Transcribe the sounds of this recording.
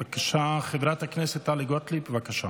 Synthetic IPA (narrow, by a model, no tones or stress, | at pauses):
akaʃaχedɾat̪haknɛset̪ːaliɡot̪libevakaʃa